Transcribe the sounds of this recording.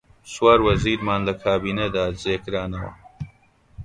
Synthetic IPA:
swaːɾwɐziːɾmaːnlɐkʰaːbiːned̪aːd͡zeːkɾaːnɐwɐ̰

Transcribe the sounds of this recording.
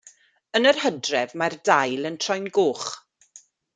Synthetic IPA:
ənərhədrɛvmardajlˠəntʰrɔjnɡoːχ

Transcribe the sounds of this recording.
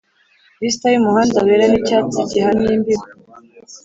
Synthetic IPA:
bistajumuhaːndaweɾenicat͡sicihanimbiɾo

